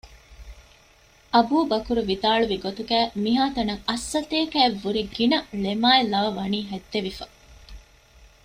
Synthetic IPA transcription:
ʔɐbuːbɐkuɾuʋid̪aːɭuʋiɡot̪uɡæːmiɦaːt̪ɐnɐŋɐsːɐt̪eːkæːeʋːuɾiɡinɐɭemaːelɐʋɐʋɐniːɦæt̪ːeʋifɐ

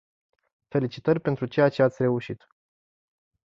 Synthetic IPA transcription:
fe̞lit͡ʃit̪ərʲpe̞nt̪ɾut͡ʃe̞jat͡ʃe̞at̪sʲre̞uʃit̪

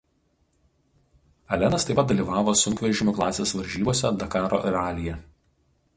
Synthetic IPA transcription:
ɐlʲɛnɐst̪ɐɪpɐt̪̚d̪ɐlʲiːˑʋɑːʋoːsʊŋʲkʋʲɛɾʲʒʲɪmʲʊklˠɑːsʲeːsʋɐɾʲʒʲiːboːsʲɛd̪ɐkɑːɾo̰ːʔɪɾɑːlʲɪjɛ

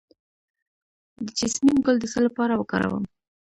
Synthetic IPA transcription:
d̪əd͡ʒɪsmimɡəld̪əsəlapɑɾawəkɑ̰ɾa̰wə̰m

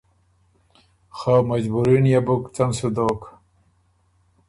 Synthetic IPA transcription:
xaːmɐd͡ʑbuɾinjabukt͡sɐmsud̪oːk

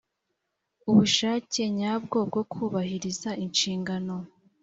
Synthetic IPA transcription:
uβuʃaːce̞ɲaːb̚ɡo̞b̚ɡo̞kʰuːβahiɾizaʔinʃiːŋɡano̞

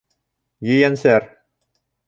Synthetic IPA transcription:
jɘ̆jænsæɾ

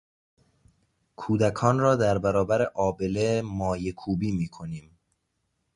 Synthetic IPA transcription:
kʰuːd̪ækʰɒːnrɒːd̪æɾbæɾɒːbæɾeʔɒːbelemɒːjekʰuːbiːmiːkʰo̞niːm

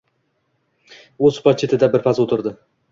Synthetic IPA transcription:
ozpʰɒt͡ʃʰːet̪ʰɪd̪abɪɾpʰasot̪ʰɪɾd̪ɪ

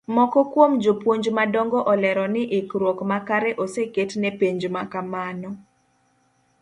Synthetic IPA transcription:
mɔkɔkwomd͡ʒopwoɲd͡ʒmadɔŋɡɔʔɔlɛɾɔnɪʔɪkɾwɔkmakaɾɛʔoseketnepeɲd͡ʒmakamanɔ

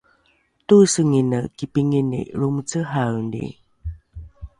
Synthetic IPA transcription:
tusəŋinəkipiŋinḭɾumt͡səɦawndḭ

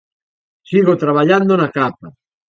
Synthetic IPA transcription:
siɣot̪ɾaβaʎand̪onakapa

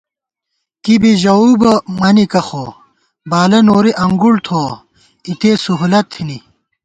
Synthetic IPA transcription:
kibiʑɐubɐmɐnikɐxo | baːlɐnoːɾiʔɐŋɡuɽt̪ʰoː | it̪eːsuɦulɐt̪ʰːini

